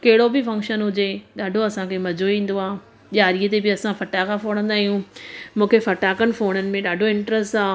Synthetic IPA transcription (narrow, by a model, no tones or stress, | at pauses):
kɐɦɪɽobɪfɐ̃ŋkʃənɦʊd͡ʑeɗaːɖʱoɐsãkʰemɐd͡ʑʱoĩːn̆d̪oaː | ʄaːɾiət̪ebɪɐsãfɐʈaːkafoːɽ̃ə̃nd̪aːɦijũmũːkʰefɐʈaːkənɪ̆foːɽ̃ənɪ̆mẽɗaːɖʱoɪ̃ɳʈɾəsʈaː